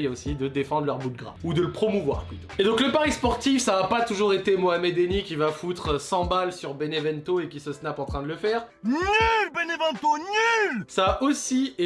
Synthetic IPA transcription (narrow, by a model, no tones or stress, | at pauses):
josid̪əd̪efɑ̃d̪ʁlœʁbud̪̚ɡʁa̰ud̪ələpχɔmuvwa̰ʁplyt̪oed̪ɔ̃kləpaʁispɔʁt̪ifsaːpat̪uʒuʁet̪emoamɛd̪enikʲivafut̪χəsɑ̃balsyʁbenevɛnt̪oekʲisəsnapɑ̃t̪χɛ̃d̪ələfɛːʁ | nylbenevɛ̃nt̪onylsaːʔosie